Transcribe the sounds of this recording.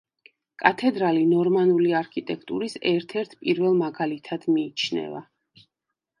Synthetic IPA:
kʼat̪ʰɛd̪ɾalinɔɾmanuliaɾkʰit̪ʼɛk̚ʰt̪ʼṵɾisɛɾt̪ʰɛɾt̪ʰpʼiɾvɛlˠmaɡalit̪ʰad̪̥miːt͡ʃʰnɛ̰va̰

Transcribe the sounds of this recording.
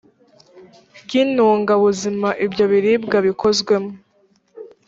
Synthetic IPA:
bɡinuːŋɡaβuzimaʔibɟo̞βiɾiːb̚ɡaβikʰo̞zɡwe̞mo

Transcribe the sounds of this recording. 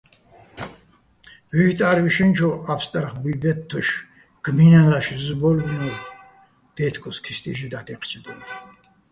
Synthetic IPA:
vit̪ʼaɾwiʃɛnt͡ʃʰɔapst̪ʼaɾχbibɛt̪ʰːɔʃ | ɡ̥minalaʃzbɔlbunɛl | d̪̥ɛt̪ʰkʰʼɔskʰist̪ʼḭʒid̪at̪ʰɛqʰt͡ʃʰd̪ɛn

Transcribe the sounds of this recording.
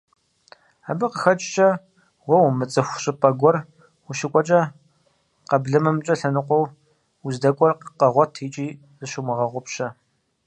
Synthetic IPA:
aːbɨqəxɐt͡ʃʼt͡ʃʼɐ | wɐwmɨt͡sʼɨxʷɕʼɪpʼɐɡʷɔr | wuʃɪkʷʼɔt͡ʃʼɐ | qɐbɮɨmɐmt͡ʃʼɐɬɐnɨqʷɔw | uzdɐkʷʼɔrqqɐʁʷɔtʰiːt͡ʃʼiː | zɨʃumɨʁɐʁʷʊpɕɐ

